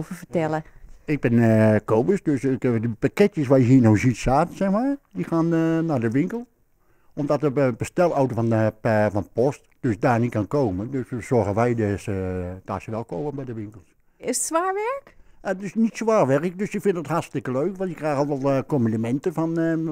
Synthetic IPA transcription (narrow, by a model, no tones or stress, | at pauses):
vəfətɛlˠəɪk̚bɪnəkoːbəsdøsɪkdəpakɪtjəsʋaːjəɦiːnowzitsaːtsɛxmaːdixaːnːadəʋɪŋkəlˠ | ɔmdɔtəbəstɛlˠawtəfɔnpfɔnpɔstd̥øsdaːnitkankoːməndøssɔrɣəʋɛjdsəd̥aːsəʋɛlˠkowbənbɛjdəʋɪŋkəlˠs | ɪsətsʋaːɹʋɛɹkdøsnitsʋaːrʋɛrɪk̚døsjəfɪntdəthatstɪkəløːkʋɑntjəkraːxɔlˠʋɛlˠkomindəmɛntəfɔn